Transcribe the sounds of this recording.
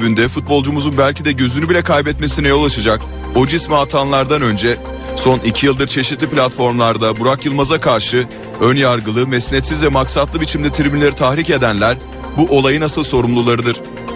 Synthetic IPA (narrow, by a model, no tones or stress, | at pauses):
bynd̪ɛfut̪̚bo̞lˠd͡ʒumuzunbælʲcid̪ɛɟøzynybilʲɛkʰajbɛt̪me̞sinɛjo̞lˠat͡ʃʰad͡ʒak | o̞d͡ʒismɛat̪ʰanlˠaɾd̪anø̞nd͡ʒɛ | so̞nicʰijɯlˠd̪ɯɾt͡ʃʰe̞ʃit̪lʲiplʲat̪fo̞ɾmlˠaɾd̪abuɾakjɯlˠmazakʰaɾʃɯ | ø̞njaɾɡɯlˠɯmɛsnɛt̪sizvɛmaksat̪lˠɯbit͡ʃʰimd̪ɛt̪ʰiɾbinlʲeɾit̪ʰahɾice̞d̪ænlʲæɾ | buʔo̞lˠajɯnasɯlˠso̞ɾumlˠulˠaɾɯd̪ɯɾ̥